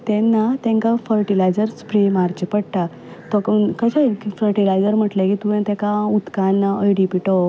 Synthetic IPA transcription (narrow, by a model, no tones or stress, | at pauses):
t̪ɛ̃nːat̪ɛ̃ŋkafəɾʈilajd͡zəɾspɾemaɾd͡ʑəpəɽʈa | t̪ɔkəɕakifəɾʈilajd͡zəɾm̤əʈlekit̪uɛ̃t̪ɛ̃kaut̪kanəjɽipiʈɔ